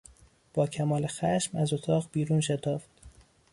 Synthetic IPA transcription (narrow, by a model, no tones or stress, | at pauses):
b̥ɒːcʰæmɒːlexæʃmæzo̞t̪ʰɒːʁbiːɾuːnʃe̞t̪ʰɒːft̪